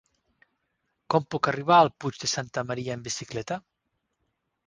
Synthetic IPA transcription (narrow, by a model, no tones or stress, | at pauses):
kɔmpɔkariβ̞aəːlˠpud͡ʒd̪esant̪əməɾiaembisiklɛt̪a